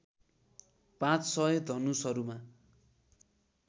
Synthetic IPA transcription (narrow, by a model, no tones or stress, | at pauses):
pãt͡ssʌed̪ʱʌnusʌɾuma